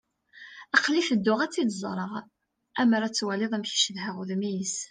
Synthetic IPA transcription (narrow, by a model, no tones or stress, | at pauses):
æqlifəd̪ːʊʁæt͡sːid̪zˤɾˤəʁ | æməɾæt͡sːwæleðˤæmçi̥ʃðɦæʁuðmijəs